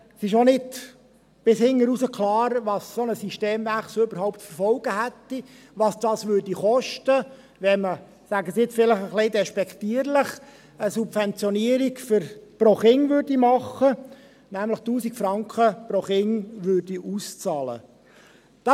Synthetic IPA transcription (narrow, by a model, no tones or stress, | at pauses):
sɪʃonɪd | b̥ɪshɪŋːəɾusəkʰlɑːɾʋɑssɔnəsiʃteːmvæχsoʏbəɾhaʊptfəɾfɔlɡ̥əɦæt̪ːi | ʋɑsd̥ɑːsʋʏrdiχɔʃtə | ʋɛmə | sæɡəsiɪt͡sfɪləχəχleɪd̪ɛʃpɛkʰt̪iəɾləχ | əsubfɛnt͡sjɔniəɾikfʏɾprɔχɪŋʋørdimɑχə | næmləχtuːsikfɾɑŋkʰχəpɾoχɪŋʋørdiʔust͡sɑːlə̰ | d̥ɑ